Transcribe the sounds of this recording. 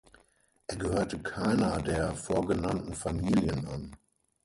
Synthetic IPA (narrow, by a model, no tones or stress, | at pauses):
ʔeːɐɡəhøːɐtəkʰaɪnɐdeːɐfoːɐɡənantn̩famiːljənʔan